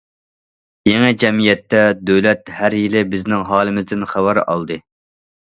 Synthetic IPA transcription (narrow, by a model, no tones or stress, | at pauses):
jɛŋɛd͡ʒɛmijɛt̪ːɛd̪øwlɛt̪hæɾjilɪbɪznɪŋɦɑːlˠɨmɪzd̪ɪnχæwæɾɑ̰lˠd̪ɨ